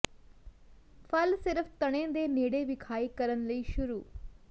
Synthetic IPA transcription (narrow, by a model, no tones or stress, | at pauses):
pʰɐlsɪɾəfʰt̪ɐɽ̃ẽːd̪eːneːɽeʋɪkʰaːiːkɐɾənləiːʃʊɾuː